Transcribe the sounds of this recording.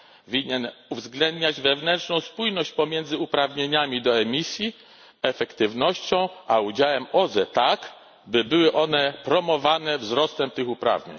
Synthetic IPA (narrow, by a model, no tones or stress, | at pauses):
vʲiɲɛnuvzɡlɛnd̪ɲad͡ʑvɛvnɛntʂnɔ̃w̃spujnɔɕt͡ɕpɔmʲjɛnd̪zɘupɾavɲeɲamʲid̪ɔɛmʲisʲji | ɛfɛkt̪ɘvnɔɕt͡ɕɔ̃w̃ʔaud͡ʑawɛmɔzɛt̪ak | bɘbɘwɘʔɔnɛpɾɔmɔvanɛvzɾɔst̪ɛmt̪ɘxupɾa̰vɲḛɲ